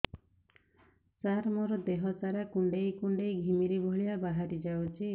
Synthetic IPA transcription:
t͡ʃaɾmɔɾɔd̪eɦɔt͡ʃaɾakuɳɖejkuɳɖejɡʱimiɾibʱɔɭiabaɦaɾid͡ʒawt͡ʃʰi

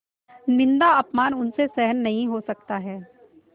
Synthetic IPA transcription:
nɪ̃nd̪aɐpmaːnʊnsesɛɦənːɐɦĩɦosɐk̚t̪aɦɛː

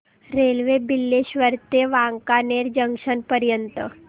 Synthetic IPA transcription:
ɾeːlʋebɪlːeʃʋəɾt̪eʋãːŋkaneːɾd͡ʒə̃ŋʃənpəɾjənt̪ə

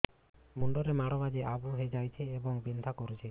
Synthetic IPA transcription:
muɳɖɔɾemaɽɔbad͡ʒeʔabuɦed͡ʒajt͡ʃʰeːbɔŋbint̪ʰakɔɾet͡ʃʰe

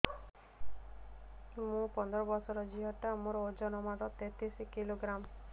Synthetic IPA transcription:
mũpɔnd̪ɾɔbɔsɔɾɔd͡ʒiɦɔʈamɔɾɔod͡ʒɔnɔmaɾɔt̪et̪isikiloɡɾam

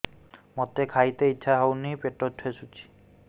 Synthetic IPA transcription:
mɔt̪ekʰajt̪eiʃʰaɦawnipeʈɔtʰesut͡ʃʰi̥

